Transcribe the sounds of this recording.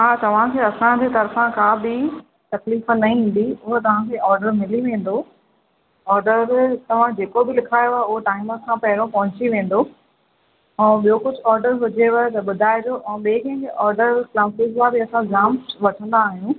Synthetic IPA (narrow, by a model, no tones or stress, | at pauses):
ɦaːt̪ɐʋ̤ãkʰeːɐsãd͡ʑet̪ɐɾfãkãbɪ | t̪ɐkliːfnɐɦĩɦĩːn̆d̪iʊɦot̪ɐʋ̤ãkʰeːɔːɾɖəɾmɪliʋẽːn̆d̪o | ɔːɾɖəɾt̪ɐʋ̤ãd͡ʑeːkobɪlɪkʰaːjoaaʊɦoʈaːɪməkʰãpɐɦɪɾopɐɦʊ̃t͡ɕiʋẽːn̆d̪o | ɛ̃ːɓijokʊd͡ʑʱʊɔːɾɖəɾɦʊd͡ʑeʋɐt̪ɐɓʊd̪ʱaːɪd͡ʑoʔɛ̃ːɓeːkɐ̃ɪ̃kʰeʔɔːɾɖəɾklaːsɪzlãbɪɐsãɡzaːmʋɐʈʰə̃nd̪aːɦijũ